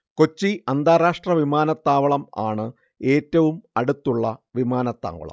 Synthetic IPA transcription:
ko̞t͡ɕːiʔɐnd̪aːɾaːʂʈrɐʋimaːnɐt̪ːaːʋɐɭɐma̰ːɳɨ | e̞ːtːɐʋumɐɽut̪ːuɭːɐʋimaːnɐt̪ːa̰ːŋɡɐ̰ɭɐ̰m

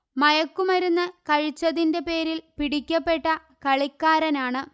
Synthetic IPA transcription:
mɐjɐkːumɐɾunːɐkɐɻit͡ɕːɐðinde̞pe̞ːɾilpiɽikʲːɐpːe̞ʈːɐ | kɐɭikːaːɾɐnaːɳɨ

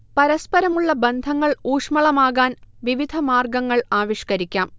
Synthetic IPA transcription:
pɐɾɐspɐɾɐmuɭːɐbend̪ʱɐŋːɐɭuːʂmɐɭɐmaːɣaːnʋiʋid̪ʱɐmaːrɡɐŋːɐɭaːʋiʂkɐɾikʲːaːm

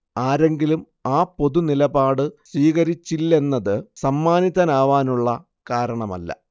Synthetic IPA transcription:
aːɾe̞ŋɡilum | aːpːo̞ðunilɐbaːɽɨsʋiːɣɐɾit͡ɕːilːe̞nːɐðɨsɐmːaːniðɐnaːʋaːnuɭːɐ | kaːɾɐɳɐmɐ̰lːɐ̰

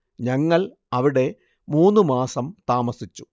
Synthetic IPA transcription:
ɲɐŋːɐɭ | ɐʋiɽe̞ | muːnːɨmaːsɐmt̪aːmɐsit͡ɕːu̥

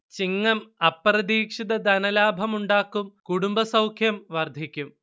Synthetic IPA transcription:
t͡ɕiŋːɐmɐprɐd̪iːkʂid̪ɐd̪ɐnɐlaːbʱɐmuɳɖaːkːumkuɽumbɐsɐwkʰjɐmʋɐrd̪ʱikʲːum

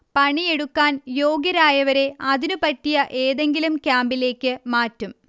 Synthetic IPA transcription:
pɐɳie̞ɽukːaːnjo̞ːɡjɐɾaːjɐʋɐɾe̞ɐðinupɐtːijɐʔe̞ːðe̞ŋɡilumkʲjaːmbile̞ːkʲːɨmaːtːum

